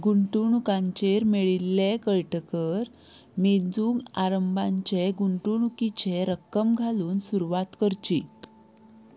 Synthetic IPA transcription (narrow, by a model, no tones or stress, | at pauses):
ɡuɳʈuɳukãɲt͡ɕeɾmeɭilːekəɭʈəkəɾ | med͡zuːŋɡaɾəmbʱaɲt͡ɕeɡuɳʈuɳukit͡ɕeɾəkːəmɡʱaluːnsuɾuʋat̪kəɾt͡ɕi